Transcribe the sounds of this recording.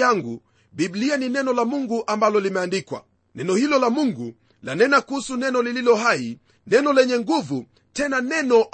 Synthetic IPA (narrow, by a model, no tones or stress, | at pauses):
aŋɡu | biblianinɛnɔlamuŋɡuʔambalɔlimɛandikwa̰ | nɛnɔhilɔlamuŋɡu | lanɛnakuhusunɛnɔlililɔɦai | nɛnɔlɛɲɛŋɡuvu | tɛnanɛnɔʔ